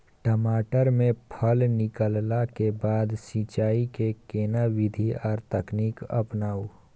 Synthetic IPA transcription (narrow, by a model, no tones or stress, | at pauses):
ʈəmaːʈəɾmẽpʰəlnɪkəllakebaːd̪sit͡ʃaːikekeːnaʋɪd̪ʱiɔːɾt̪əkniːkɐ̰pnaːuː